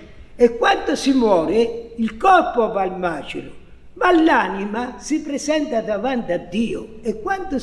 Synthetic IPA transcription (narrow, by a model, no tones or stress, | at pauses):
ɛkːwant̪ʊsimwɔːɾɪilkɔrpovalmaːt͡ʃɪ̰ɾʊ | malːaːnimasipɾɛsɛnt̪ad̪avant̪ad̪ːiːʊ | ɛkːwant̪ʊ